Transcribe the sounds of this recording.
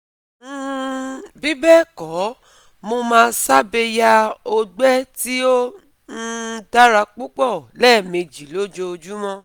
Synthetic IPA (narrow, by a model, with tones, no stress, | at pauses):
bi˦bɛ˦˨kɔ˨˦ | mo˧mãː˧˦sa˦be˧ja˧o˧ɡ͡bɛ˦ti˦o˦ | n̩˦da˦ɾa˧k͡pu˦k͡pɔ˦˨lɛː˦˨me˨˧d͡ʒi˨˦lo˦d͡ʒo˧o˧d͡ʒu˦mɔ̃˦